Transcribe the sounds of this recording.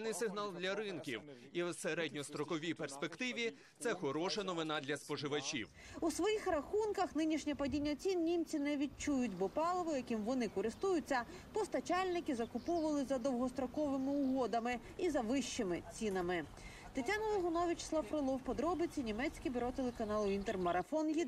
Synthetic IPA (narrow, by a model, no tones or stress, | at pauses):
nɪjsɪɦnɑlˠd̪ʲlʲɐɾɪnkʲḭw | iwseɾɛdʲnʲɔst̪ɾɔkɔʋʲijperspekt̪ɪʋʲi | t̪sɛxɔɾɔʃɐnɔʋɪnɑd̪lʲɐspɔʒɪʋɐt͡ʃʲḭw | usʋɔjixrɐxunkɐxnɪnʲiʃnʲɛpɐdʲinʲːɐt͡sʲinːʲimt͡sʲinɛʋʲid̚t͡ʃujʊtʲbɔpɑlˠɔʋʊjɐkɪmʋɔnɪkɔɾɪst̪ujʊt͡sʲːɐ | pɔst̪ɐt͡ʃɑlʲnɪkɪzɐkʊpɔʋɐlˠɪzɐd̪ɔwɦɔst̪ɾɔkɔʋɪmɪʊɦɔd̪ɐmɪ | izɐʋɪʃt͡ʃɪmɪt͡sʲinɐmɪ | t̪ɪtʲanɐlɔɦɔnɔʋʲɪt͡ʃslˠɐfɾɪlˠɔwpɔd̪ɾɔbɪt͡sʲinʲimɛt͡sʲkʲibʲyɾɔt̪elˠekɐnɑlˠʊint̪ermɐɾɐfɔnjʲi